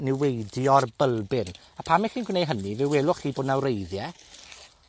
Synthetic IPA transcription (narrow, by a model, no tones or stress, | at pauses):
nɪwejdjɔrbəlˠbɪn | apʰamɪχinɡwnejɦənivɛwelˠʊχiːboːdnawɾejðjɛ